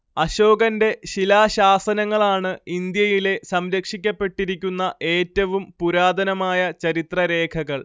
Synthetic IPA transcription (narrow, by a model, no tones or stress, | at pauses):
ɐɕo̞ːɡɐnde̞ɕilaːɕaːsɐnɐŋːɐɭaːɳɨind̪jɐjile̞sɐmɾɐkʂikʲːɐpːe̞ʈːiɾikʲːunːɐʔe̞ːtːɐʋumpuɾaːd̪ɐnɐmaːjɐt͡ɕɐɾit̪rɐɾe̞ːkʰɐɣɐɭ